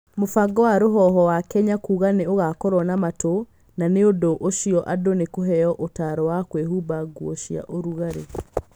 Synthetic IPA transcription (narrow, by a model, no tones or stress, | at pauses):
mofaɡɔwaɾoɦɔɦɔwakɛɲakuːɣaneoɣakɔɾwɔnamato | naneodoʔoʃijɔʔadonekoɦɛjɔʔotaɾɔwakwehubaɡwoʃia̰ʔoɾuɣaɾḛ